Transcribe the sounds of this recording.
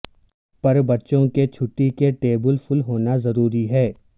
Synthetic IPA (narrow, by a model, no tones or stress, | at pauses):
pɐɾbɐtːʃõket͡ʃʰʊʈːikeʈeːbəlfʊlɦoːnazɐɾuːɾiɦɛː